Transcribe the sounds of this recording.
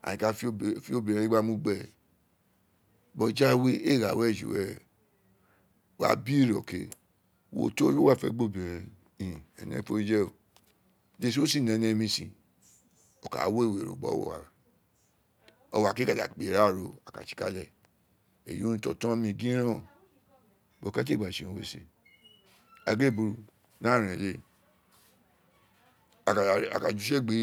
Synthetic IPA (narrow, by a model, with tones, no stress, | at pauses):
a̰˨ĩ˨˧ka˧˦fi˦o˧bĩ˨ɾ̃ĩ˨˧˦ɡ͡ba˦mũ˧˦ɡ͡bɛ˦˨ | bɔ˧d͡ʒa˦we˦e˦˨ɾa˨wɛ˦˨d͡ʒṵ˨wɛ˦ | wa̰˨˦bi˦˨ɾɔ˨ke˧ | wo̰˦to˦o˦wa˦˨fɛ̰˧˦ɡ͡bo˦˨bĩ˨ɾ̃ĩ˧ | ĩ˨ɛ̰˨nɛ̰̃˧˦fo˦d͡ʒɛ˦o˨ | de˦˧s̬o˦si˦˨nɛ̃˨nɛ̃˧mĩ˧sĩ˧˨ | ɔ˨ka̰˨˦wo˦e˦˨we˨ɾo̰˨ɡ͡bɔ̰˨˦w̰a̰˨ | ɔ̰˧wa˨ki˦ka˦˨da̰˨k͡pe˨ɾa˦˨ɾo˧a˨ka̰˨t͡ʃi̥˧˦ka̰˦lɛ˦˨ | ḛ˨jũ˦ñ˧˦tɔ˧˨tã˦mĩ˧ɡĩ˦ɾ̃ã˦˨ | bo˨ka˦t̬e˦˨ɡ͡ba˨ʃi˨ũ˧we˧sḛ˨ | a˨ɡe˦˨bu˧ɾu˧ | la˦˨ɾ̃ã˨le˧˦˨ | a̰˨ka˨d͡ʒu˨˦ʃɛ˦˨ɡ͡be˨˦